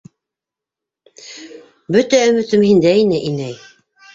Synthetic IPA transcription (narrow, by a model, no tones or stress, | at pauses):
bɵt̪æɵ̆mɵ̆t̪ɵmhind̪æinɘʔinæj